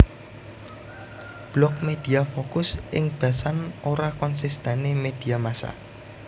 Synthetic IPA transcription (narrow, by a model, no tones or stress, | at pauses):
b̥lɔk̚med̪̥i̤afokʊsʔɪŋb̥a̤sanoɾakɔnsist̪ɛnemed̪̥i̤amasa̰